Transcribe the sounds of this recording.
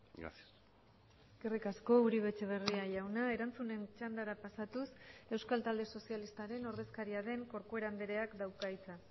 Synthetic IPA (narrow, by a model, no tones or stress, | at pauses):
ɡerikasko̞uɾiβe̞t͡ʃe̞β̞e̞riaʝawnae̞ɾant͡sune̞nt͡ʃand̪aɾapasat̪use̞wskalt̪ald̪e̞so̞sialist̪aɾe̞no̞ɾðe̞skaɾiaðe̞ŋko̞ɾkoe̞ɾand̪eɾe̞akd̪awkajt͡sa